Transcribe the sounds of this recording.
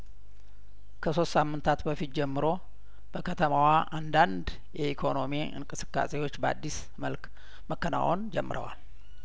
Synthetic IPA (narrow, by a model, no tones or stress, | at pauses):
kʰəso̞st̪samːɨnt̪ʰat̪bəfit̪̚d͡ʒɛmːɨɾo̞ | b̥əkʰət̪ʰəmawaʔand̪and̪ | jɛikʰo̞no̞miʔɨ̰ŋkʼɨsɨ̥kʼːa̰sewo̞t͡ʃːbəa̰d̪ːis | məlk | məkːəna̰ʔond͡ʒɛ̰mːɨɾə̰wa̰l